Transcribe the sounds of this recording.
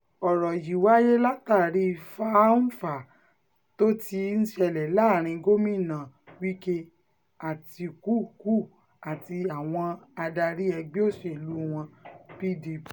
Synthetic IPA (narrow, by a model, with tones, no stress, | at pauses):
ɔ˨ɾɔ˨ji˨wa˦je˦la˦ta˦˨ɾi˦˧fa˦fa˨ | to˦ti˧n̩˦ʃɛ˧lɛ˨la˦˨ɾ̃ĩ˧ɡo˦mĩ˦˨nã˨ | wi˦ke˦ | a˨ti˧ku˦ku˦˨ | a˨ti˧a˨w̃ɔ̃˧a˧da˧ɾi˦ɛ˧ɡ͡be˦o˦˨ʃe˨i˨lu˨˦w̃ɔ̃˧pi˦di˧pi̥˨